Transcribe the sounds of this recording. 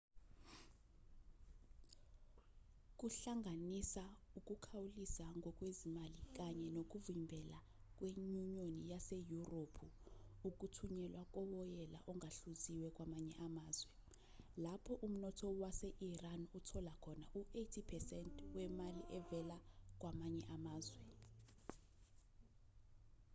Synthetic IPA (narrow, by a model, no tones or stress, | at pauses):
k̬ʼuɬaŋanisauk̬ʼukʰawulisaŋʱɔk̬ʼwezimalik̬aɲɛnok̬uvimbʱɛla | k̬ʼweɲuɲonijasejuropʰu | uk̬ʼutʰuɲɛlwak̬ʼɔwɔjɛla̰ʔɔŋʱaɬuziwɛk̬ʼwamaɲɛʔamaːzwɛ | lapʰɔʔum̩nɔtʰɔwasɛʔiranutʰɔlakʰɔnaʔuejtʰipʰɛsɛntʰwɛmaliʔɛvɛlak̬wʔamaɲɛʔamaːzwɛ